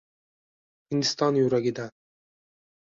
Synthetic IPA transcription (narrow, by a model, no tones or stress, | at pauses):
hind̪ist̪ɑnjuɾaɡʲid̪a